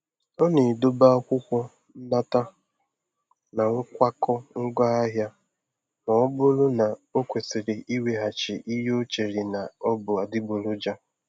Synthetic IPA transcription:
ɔ˦ne˨do˦ba˦a˦kʷʊ˦kʷɔ˦ | n̩˦na˦ta˦ | na˨ŋʊ˦kʷa˦kɔ˦ŋ̩˦ɡa˦a˦ɦja˦ | mɔ˨ɔ˦bʊ˦lʊ˦na˨o˦kʷe˨sɪ˨ɾɪ˨ʔi˦we˨ɦa˨t͡ʃɪ˨ʔi˦ɦo˦t͡ʃe˨ɾɪ˨na˨ɔ˦bʊ˨a˨dɪ˦bʊ˨lʊ˦d͡ʒa˦

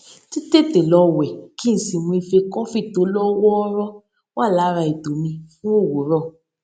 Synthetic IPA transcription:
ti˦te˦˨te˨lɔ˧wɛ˨ki˦n̩˨si˨mũ˧i˧fe˧kɔ̃˦fi˦˨to˨˦lɔ˦wɔ˦ɾɔ˦ | wa˦˨la˨˦ɾa˧i˨do˨mĩ˧fũ˦o˦˨wo˨˦ɾɔ˦˨

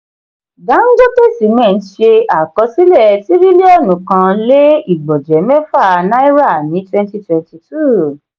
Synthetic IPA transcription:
ɡa˨˦ŋ̩˦ɡo˦te˦˨si˨mɛ̃˦˨˦ʃe˧a˨kɔ˨˧si˦lɛ˦˨ti˨˦ɾi˦le˦ɔ˦˨nũ˨kã˧le˦i˦˨ɡ͡bɔ˨d͡ʒɛ˨˦mɛ˦fa˦˨˧nã˦i˦ɾa˦˨mĩ˨˦twɛ̃˧nti˧twɛ̃˧nti˧tu˦˨

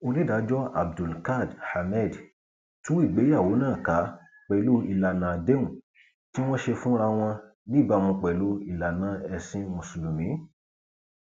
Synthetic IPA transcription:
o˧li˦da˨˦d͡ʒɔ˦a̰˨b̚du˨lka˦˨dha˨mɛ˦˨d | tũ˦i˦˨ɡ͡be˨˦a˦˨wo˨˦nãː˦˨ka˨˦ | k͡pɛ˨lu˧˦i˨la˨nã˨de˦ũ˨ | ti˦w̃ɔ̃˦ʃe˧fũ˦ɾa˧w̃ɔ̃˧ | nĩ˦˨ba˦˨mɔ̃˧k͡pɛ˨lu˨˦i˨la˨nã˨˦ɛ˧sĩ˦mũ˨su˨lu˨mĩ˨˦

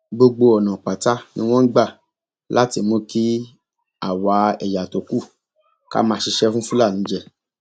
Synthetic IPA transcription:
ɡ͡bo˧ɡ͡bo˧ɔ˨nã˨k͡pa˨ta˦nḭ̃˧˦w̃ɔ̃˦n̩˦ɡ͡ba˦˨ | la˦ti˧mõ˧ki˦ | a̰˦˨wa˨˧˦ɛ̰˨ja˨to˨ku˦˨ | ka̰˦mãː˧˦ʃi˧ʃɛ˦fũ˦fũ˦la˦˨nĩ˨˦d͡ʒɛ˦˨

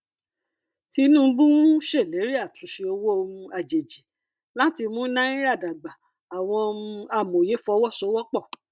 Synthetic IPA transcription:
ti˧˦nũ˦bu˦ũ˦ʃe˦˨le˨˦ɾi˦a˦˨tʰũ˨˦ʃe˧o˧wo˦o˧mũ˧a˨d͡ʒe˨d͡ʒi˨˦ | lã˦ti˧mũ˦nã˦ĩ˦ɾa˦˨da˨ɡ͡ba˨ | a˨w̃ɔ̃˧o˧ũ˧a˧˨mo˨je˨˦fɔ˧˦wɔ˦so˧˦wɔ˦k͡pɔ˦˨

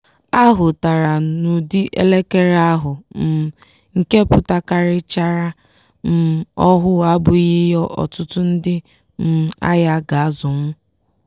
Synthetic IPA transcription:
a˦ɦʊ˨ta˨ɾa˨nu˨dɪ˦ʔḛ˦le˦ke˦ɾa˦ɦʊ˨n̩˨ | ŋ̩˨ke˦pʊ˨ta˨ka˦ɾɪ˦t͡ʃa˦ɾa˦ | n̩˨ɔ˦ɦʊ˦a˦bʊ˨ɣi˦jɔ˦ʔɔ̰˨tʊ˦tʊ˦n̩˦dɪ˦ | m̩˨a̰˦ja˦ɡa˨a˦zʊ˨m̩˦

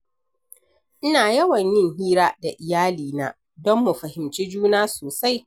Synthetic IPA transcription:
ʔɪ˦naː˨jɐ˦wɐ˨ɲjɪ˦ŋɦiː˦ɾaː˦da˨ʔɪ˨jaː˦liː˨na̰ː˨˦ | dɔ˦mːu˨ɸɐ˨hɪ˨mt͡ʃiː˦d͡ʒuː˦naː˦soː˨sa˦j

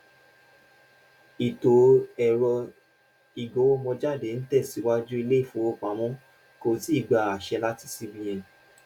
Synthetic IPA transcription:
i˨to˨ɛ˨ɾɔ˧ | i˨ɡo˨˦o˦mɔ̃˧d͡ʒa˦˨de˨˦n̩˦tɛ˦˨si˨˦wa˦d͡ʒu˦i˧le˦i˦˨fũ˨˦o˧k͡pã˨˦mɔ̃˦ | ko˧˨ti˦i˦˨ɡ͡ba˨a˨ʃɛ˧la˦ti̥˦˨si˧bĩ˧j̃ɛ̃˨

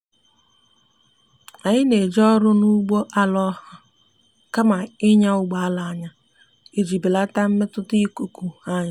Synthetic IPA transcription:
a˨ɲɪ˦ne˨d͡ʒɔ˦ɾʊ˦nu˦ɡ͡bo˦ʔa˦lɔ˦hʊ˦ | ka˦ma˨ɪ˦ɲa˦ʊ˦ɡ͡ba˨a˦la˨a˦ɲa˦ | e˨d͡ʒi˨bi˨la˦ta˦m̩˦me˦tʊ˦ti˦ku˨ku˨a˦ɲa˦

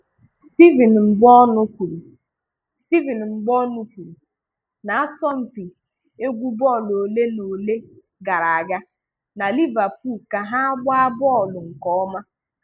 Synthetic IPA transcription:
sti˦vi˨n˨m̩˨ɡ͡bɔ˦nʊ˦kʷu˨ɾu˨ | sti˦vi˨n˨ŋ͡m̩˨ɡ͡bɔ˦nu˦kʷu˨ɾu˨ | na˨a˦sɔ˦m̩˨pi˨ | e˦ɡʷu˦bɔ˦˨lo˨le˦no˨le˦ | ɡa˨ɾa˨a˨ɡa˦ | na˨li˦va˨pu˦˨lka˨ɦa˦a˦ɡ͡ba˦a˦bɔ˦ɔ˨lʊ˨ŋ̩˨kɔ˦ɔ˦ma˦

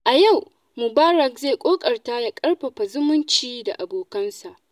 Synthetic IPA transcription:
ʔa˨ja˦˨w | mʊ˨baː˦ɾɐ˨k̚zeː˦˨kʷʼoː˦kʼɐ˨rta˦ja˨kʼɐ˦rɸɐ˨ɸa˨zʊ˦mʊ˦nt͡ʃiː˦da̰˨ʔa˨boː˨kɐ˦nsa˨ʔ

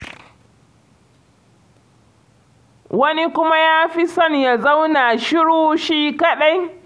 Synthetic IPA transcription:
wɐ˦ni˦kʷʊ˦ma˦jaː˦ɸi˦sɐ˦˨nja˨za˦wna˨ʃɪ˦ɽuː˦ʃiː˦kɐ˦ɗa˦j

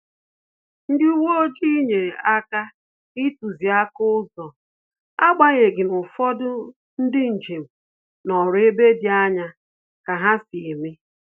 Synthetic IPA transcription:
n̩˦dɪ˦u˦wo˦o˦d͡ʒi˦i˦ɲe˨ɾe˨ʔa˦ka˦ | ɪ˦tu˨zi˨a˦kʊ˦zɔ˨ | a˦ɡ͡ba˦ɲe˨ɡɪ˨nʊ˨fɔ˦dʊ˦ | n̩˦dɪ˦n̩˨d͡ʒe˨m̩˨ | nɔ˨ɾʊ˨˦e˦be˦di˨˦a˦ɲa˦ | ka˨ɦa˦si˨e˨mi˦

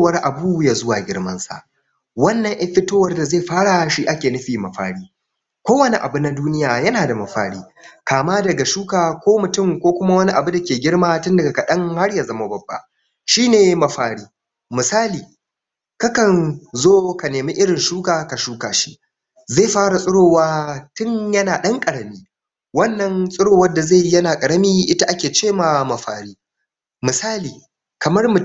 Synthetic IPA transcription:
wɐ˦rʔa˨bu˦ja˨zʊ˦waː˨ɡʲɪ̰˦ɽmɐ˦nsa̰˨ʔ | wɐ˦nːɐ˨ŋʔɐ˦ɸɪ˦toː˦wɐ˦rda˨ze˦˨ɸaː˦ɽa˨ʃi˦ʔa˦kʲeː˨nʊ˦ɸiː˨mɐ˨ɸa̰ː˨ɽiː˦ | kʷoː˦wɐ˦ni˦ʔa˨bu˦na˦duː˦nɪ˦jaː˨jɐ˦naː˨da˨mɐ˨ɸa̰ː˦ɽiː˦ | kaː˨maː˦dɐ˨ɡa˨ʃuː˦kaː˨kʷoː˦mʊ˨tʊ˦˨mkʷoː˦kʷʊ˦ma˦wɐ˦ni˦ʔa˨bu˦da˨kʲeː˨ɡʲɪ˦ɽmaː˦tʊ˦ndɐ˨a˨ka˨ɗɐ˦ŋha˦ɽjaː˨zɐ˦ma˦bɐ˨bːa̰˦ | ʃiː˦neː˨mɐ˨ɸaː˨ɽiː˦ | mɪ˨saː˦liː˨ | kɐ˦kɐ˨nzoː˦ka˨neː˨mi˦ʔɪ˦ɽɪ˨nʃuː˦kaː˨ka˨ʃuː˦kaː˨ʃi˦ʔ | zeː˦˨ɸaː˦ɽa˨sʼʊ˦ɽoː˨waː˦tʊ˦ɲjɐ˦naː˨ɗɐ˦ŋkʼɐ˨ɽɐ˨miː˦ | wɐ˦nːɐ˨nsʼʊ˦ɽoː˦˨wɐ˦dːa˨za˦˨jjɐ˦naː˨kʼɐ˨ɽɐ˦miː˦ʔɪ˦ta˦ʔa˦kʲeː˨t͡ʃeː˦˨ma˨mɐ˨ɸa̰ː˨ɽiː˦ | mɪ˨saː˦liː˨ | kɐ˨mɐ˦rmʊ˨

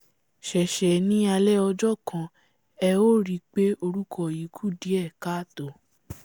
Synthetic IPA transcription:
ʃɛ˨ʃɛ˨nĩ˦a˧lɛ˦ɔ˧d͡ʒɔ˦˨kʰã˧ | ɛ˧o˦˨ɾi˦˧k͡pe˦o˧ɾu˦kʰɔ˦˨ji˨˦kʰu˦˨di˨˦ɛ˦˨ka˦to˨

